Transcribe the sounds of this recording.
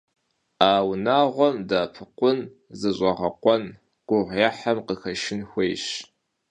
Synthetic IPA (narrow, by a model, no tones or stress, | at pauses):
aːwnaːʁʷɔmdaːpʰɨqʷʊn | zɨɕʷʼɐʁɐqʷɔn | ɡ̥ʷʊʁʷjaħamqəxɐʃɪnxʷejɕ